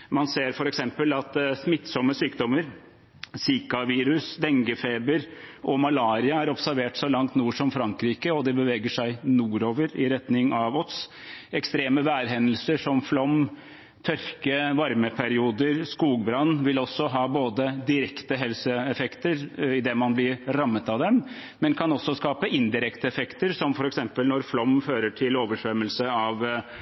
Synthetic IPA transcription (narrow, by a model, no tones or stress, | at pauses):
mɑnseːɾfɔɾɛksɛmpəlɑt̪smɪt̪ːsɔməsyːkd̪ɔmːəɾ | siːkɑʋiːɾʉsd̪ɛŋɡəfeːbəɾʔɔmɑlɑːɾɪɑæɾɔpsæɾʋeːʈsɔlɑŋt̪nuːʂɔmfɾɑŋkɾiːkəɔd̪ɛbəʋeːɡəʂæɪnuːɾoːʋəɾɪɾɛt̪nɪŋɑʋɔt̪s | ɛkst̪ɾeːməʋæːɾɦɛnːəlsəʂɔmflɔm | t̪ʰœɾkəʋɑɾməpʰæɾɪuːd̪əɾskuːɡbɾɑnːʋɪlɔsːɔɦɑːboːd̪əd̪ɪɾɛkt̪əɦɛlsəɛfɛkt̪əɾɪd̪ɛmɑnblɪɾɾɑmːət̪ɑʋd̪ɛm | mɛnkʰɑnɔsːɔskɑːpəʔɪnd̪ɪɾɛkt̪əɛfɛkt̪əɾsɔmfɔɾɛksɛmpəlnɔɾflɔmføːɾəʈʰɪloːʋəʂʋɛmːəlsəɑʋ